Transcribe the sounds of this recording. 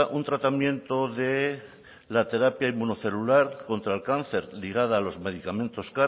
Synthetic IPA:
ʔunt̪ɾat̪amjẽ̞nt̪o̞ðe̞ | lat̪e̞ɾapjaimuno̞θe̞lulaɾko̞nt̪ɾalkanθe̞ɾliɣ̞að̞aːlo̞zme̞ðikamẽ̞nt̪oska

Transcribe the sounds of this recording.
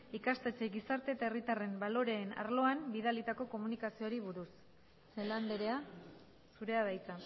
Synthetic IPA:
ikast̪et͡seɣisaɾt̪e̞t̪aerit̪are̞mbalo̞ɾe̞ːna̰ɾlo̞ambiðalit̪ako̞ko̞munikasioɾiβ̞uɾus | seland̪eɾe̞a | suɾe̞að̞ajt͡sa

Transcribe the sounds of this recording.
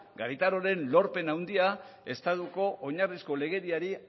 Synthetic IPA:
ɡaɾit̪aɾo̞ɾe̞nlo̞ɾpe̞nawnd̪iae̞st̪at̪uko̞ʔoɲarisko̞le̞ɣ̞e̞ɾiaɾi

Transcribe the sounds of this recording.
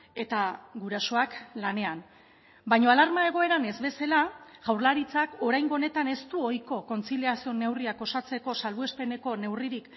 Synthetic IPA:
e̞t̪aɡuɾaso̞aklane̞an | bajɲo̞alaɾmae̞ɣ̞o̞e̞ɾane̞zβe̞selaɣawɾlaɾit͡sako̞ɾajŋɡo̞ne̞t̪ane̞st̪uo̞jko̞ko̞nt͡siliasio̞ne̞wriako̞sat͡se̞ko̞salβue̞spe̞ne̞ko̞ne̞wriɾik

